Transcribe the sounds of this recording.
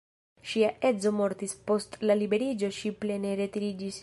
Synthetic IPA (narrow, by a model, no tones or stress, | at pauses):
ʃiae̞d͡zo̞mo̞ɾt̪ispo̞stlalibe̞ɾid͡ʒo̞ʃiple̞ne̞ɾe̞t̪iɾid͡ʒis